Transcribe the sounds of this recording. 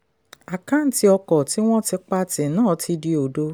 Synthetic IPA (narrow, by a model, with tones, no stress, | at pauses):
a˨kã˨˦n̩˨˦ti˧˦ɔ˧kɔ˨ti˦w̃ɔ̃˦ti˧k͡pa˧tĩ˨nãː˦˨ti˧di˧o˨do˧